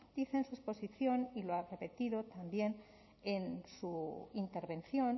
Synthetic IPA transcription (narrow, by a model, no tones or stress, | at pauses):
d̪̥iθe̞nsue̞spo̞siθjo̞niloare̞pe̞t̪iðo̞t̪ambje̞n | ensuint̪e̞ɾβẽ̞nθjo̞n